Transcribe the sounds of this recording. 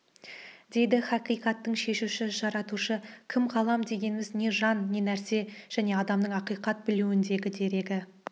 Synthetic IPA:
d̪e̞jd̪ɪχɑqijqɑt̪ːəɴʃe̞ʃuʃɪʒɑɾɑt̪uʃəkʲʰɪmqʰɑlˠɑmd̪e̞ɡʲe̞nɪmɪzne̞ʒɑnːe̞næɾse̞ʒ̥æne̞ɑd̪ɑmnəɴɑqijqɑt̪̚bɪluɪnd̪e̞ɡʲɪd̪e̞ɾe̞ɡʲɪ

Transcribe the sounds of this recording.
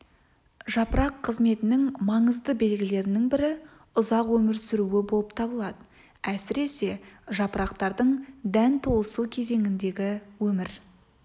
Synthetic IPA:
ʒɑpəɾɑqʰːəzme̞t̪ɪnɪŋmɑɴəzd̪əbe̞lɡʲɪle̞ɾɪnɪŋbɪɾɪ | ʊzɑqwɵmɪɾsʏɾuɪbo̞lˠəp̚t̪ʰɑbəlˠɑd̪ə | æsɪɾe̞se̞ʒɑpəɾɑqt̪ɑɾd̪əɴd̪ænt̪ʰolˠəsukʲʰe̞ze̞ŋɪnd̪e̞ɡʲɪwɵmɪɾ

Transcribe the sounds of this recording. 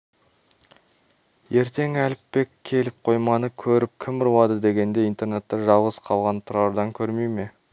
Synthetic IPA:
je̞ɾt̪e̞ŋælɪpːe̞kʲʰːe̞lɪp̚qʰo̞jmɑnəkʲʰɵɾɪp̚kʲʰɪmɪɾuwɑd̪əd̪e̞ɡʲe̞nd̪e̞ijnt̪e̞ɾne̞t̪ːɪʒɑlˠʁəzqʰɑlˠʁɑnt̪ʰʊɾɑɾd̪ɑŋkʲʰɵɾmejme̞

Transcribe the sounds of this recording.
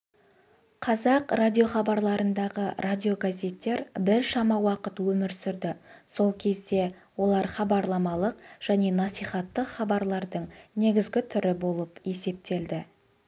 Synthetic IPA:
qʰɑzɑqradʲio̞χɑbɑɾlˠɑɾənd̪ɑʁərʔad̪ʲio̞ɡazʲe̞t̪ːe̞ɾbɪɾʃɑmɑwɑqət̪wɵmɪɾsʏɾd̪ɪso̞lˠkʲʰe̞zd̪e̞ | wo̞lˠɑɾχɑbɑɾlˠɑmɑlˠəqʒ̥æne̞nɑsijχɑt̪ːəqχɑbɑɾlˠɑɾd̪əɴne̞ɡʲɪzɡʲɪt̪ʰʏɾɪbo̞lˠəpe̞se̞p̚t̪e̞ld̪ɪ

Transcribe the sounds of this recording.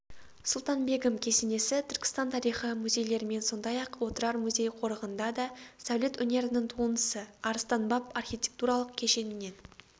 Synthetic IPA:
sʊlˠt̪ɑnbe̞ɡəmkʲʰe̞sene̞sɪt̪ʰʏɾkʲɪ̥st̪ɑnt̪ʰɑɾijχəmuzʲe̞jle̞ɾɪme̞nso̞nd̪ɑjɑqwo̞t̪əɾɑɾmuzʲe̞jqʰo̞ɾəʁənd̪ɑd̪ɑsawle̞t̪ɵne̞ɾɪnɪŋt̪ʰuənəsəɑɾəst̪ɑnbɑpɑrxʲijtʲe̞̥k̚t̪uɾɑlˠəqkʲʰe̞ʃe̞nɪne̞n

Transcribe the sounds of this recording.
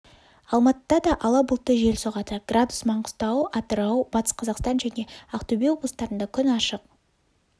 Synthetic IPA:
ɑlˠmɑt̪əd̪ɑd̪ɑʔɑlˠɑbʊlˠt̪ːəʒe̞lsoʁɑt̪əɡ̥rʔad̪u̥smɑɴqʊ̥st̪ɑwɑt̪əɾɑwbɑt̪ə̥sqʰɑzɑqst̪ɑnʒæne̞ɑqt̪ubʲijwo̞blˠəst̪ɑɾənd̪ɑkʲʰʏnɑʃəq

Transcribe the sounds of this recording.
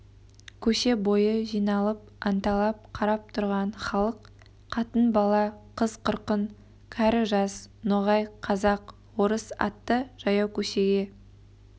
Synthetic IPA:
kʲʰɵʃe̞bo̞jəʒijnɑlˠəp̚ | ɑnt̪ɑlˠɑp̚qʰɑɾɑp̚t̪ʰʊɾʁɑnχɑlˠəq | qʰɑt̪ənbɑlˠɑqʰəzqʰʊɾqən | kʲʰæɾɪʒɑsnoʁɑjqʰɑzɑq | wo̞ɾəsɑ̰t̪ːəʒ̥ɑjɑwkʲʰɵʃe̞ɡʲe̞

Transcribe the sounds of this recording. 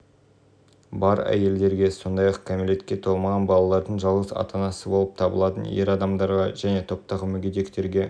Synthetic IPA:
bɑɾæ̰je̞ld̪e̞ɾɡʲe̞so̞nd̪ɑjɑqkʰʲamilʲe̞t̪kʲːe̞t̪ʰo̞lˠmɑʁɑnbɑlˠɑlˠɑɾd̪əɴʒɑlˠʁəsɑ̰t̪ʰɑnɑsəbo̞lˠəp̚t̪ʰɑbə̰lˠɑt̪ənje̞ɾɑd̪ɑmd̪ɑɾʁɑʒ̥æne̞t̪ʰo̞p̚t̪ɑʁəmʏɡʲed̪e̞kt̪e̞ɾɡʲe̞

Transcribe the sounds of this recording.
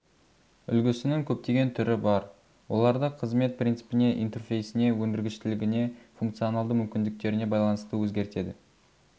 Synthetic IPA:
ʏ̰lɡʲɪsɪnɪŋkʲʰɵp̚t̪e̞ɡʲe̞nt̪ʰʏɾɪbɑɾ | wo̞̰lˠɑɾd̪əqʰəzme̞t̪̚prʲint̪sɨ̥pɪne̞ʔijnt̪e̞rfʲe̞jsɪne̞wɵnd̪ɪɾɡʲɪʃt̪ɪlɪɡʲɪne̞fuŋkt̪sijo̞nalˠd̪əmʏmkʲɪnd̪ɪk̚t̪e̞ɾɪne̞bɑjlˠɑnəst̪əwɵzɡʲe̞ɾt̪e̞d̪ɪ

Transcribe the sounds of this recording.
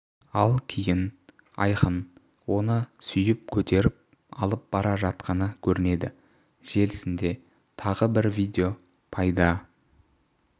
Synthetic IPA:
ɑlˠkʲʰejɪn | ɑ̰jqən | wo̞nəsʏjɪp̚kʲʰɵt̪e̞ɾɪp̚ | ɑ̰lˠəp̚b̥ɑɾɑʒɑt̪̚qɑnəkʲʰɵɾɪne̞d̪ɪ | ʒ̥e̞lɪsɪnd̪e̞ | t̪ʰɑʁəbɪɾvʲijd̪ʲe̞o̞ | pʰɑjd̪ɑ

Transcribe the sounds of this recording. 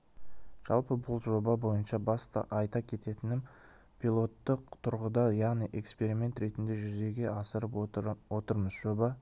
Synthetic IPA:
ʒ̥ɑ̰lˠpəbʊlˠʒo̞bɑbo̞jənʃɑbɑst̪ɑ̰ʔɑjt̪ɑkʲʰe̞t̪e̞t̪ɪnɪm | pʰʲilˠo̞t̪ːəq̚t̪ʰʊɾʁəd̪ɑjɑʁnijʔe̞kspe̞ɾime̞nt̪ɾe̞t̪ɪnd̪e̞ʒʏze̞ɡʲe̞ʔɑsəɾəpwo̞t̪əɾməzʒo̞bɑ

